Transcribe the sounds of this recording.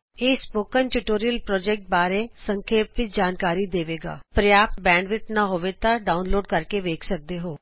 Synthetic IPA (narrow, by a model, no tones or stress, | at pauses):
eːspoːkənʈuʈoːɾijəlpɾɔːd͡ʒɛːk̚ʈ̚baːɾeːsəŋkʰeːpʋɪt͡ʃd͡ʒaːnkaːɾiːd̪eːʋeːɡa̰ːpɾəjaːpt̪̚bɛ̃ːɳɖʋɪt͡ʃnaɦoːʋet̪ãɖaːʊnloːɖ̚kəɾkeʋeːkʰsək̚d̪eːɦoː